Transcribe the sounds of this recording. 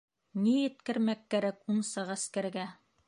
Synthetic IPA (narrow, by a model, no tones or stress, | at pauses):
nijɘ̆t̪kɘ̆ɾmækːæɾækunsɑʁɑskæɾɡæ